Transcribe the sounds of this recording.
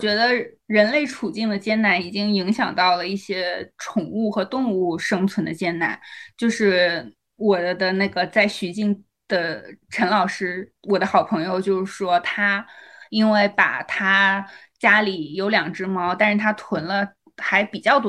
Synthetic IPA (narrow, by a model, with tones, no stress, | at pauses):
t͡ɕɥɛ˧˥d̪ə˧ | ɻə˧˥nle˥˩ɪʈ͡ʂʰu˨˩t͡ɕi˥˩ŋd̪ə˩t͡ɕjɛ˥nna˧˥ni˨˩t͡ɕi˥ŋi˧˥ŋɕjɑ̰˨˩ŋt̪ɑ˥˩ʊlə˩i˥˩ɕjɛ˥ʈ͡ʂʰʊ˨˩ŋu˥˩xɤ˧˥t̪ʊ˥˧ŋu˥˩ʂɤ˥ŋt͡sʰwə˧˥nd̪ə˧t͡ɕjɛ˥˩nna̰˧˥nt͡ɕjo˥˧ʊʂɻ̩˥˩ | wɔ˨˩d̪ə˦na˥˩ɡə˩t͡sa˥˩ɪɕy˧˥t͡ɕi˥˩ŋ | d̪̥ə˩ʈ͡ʂʰə˧˥nlɑ˨˩ʊʂɻ̩˥wɔ˨˩d̪ə˦xɑ˨˩ʊpʰɤ˧˥ŋjo˧ʊt͡ɕjo˥˧ʊʂɻ̩˥˩ʂwɔ˥t̪ʰa˥i˥nwe˥˩ɪpa̰˨˩t̪ʰa˥ | t͡ɕja˥li˨˩jo˧˥ʊljɑ˨˩ŋʈ͡ʂɻ̩˥mɑ˧˥ʊt̪a˥˧nʂɻ̩˥˩t̪ʰa˥t̪ʰwə˧˥nlə˧ | xa˧˥ɪpi˨˩t͡ɕjɑ˥˩ʊt̪